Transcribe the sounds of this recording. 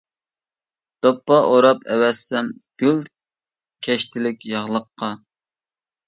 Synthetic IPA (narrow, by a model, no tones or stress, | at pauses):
d̪̥opːɑʔoɾɑpʰɛwɛsːɛmɡ̥ʲyl | kʲʰɛʃt̪ʰɪlɪkʲjɑʁlˠəqːɑ